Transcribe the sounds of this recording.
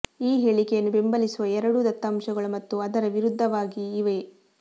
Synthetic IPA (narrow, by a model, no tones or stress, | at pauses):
iːɦeːɭikɛjɐnːube̞mbɐlisuʋɐɛɾɐɽud̪ɐt̪ːaːmʃɐɡɐɭumɐt̪ːuɐd̪ɐɾɐʋiɾud̪ʱːɐʋaːɡiːʋe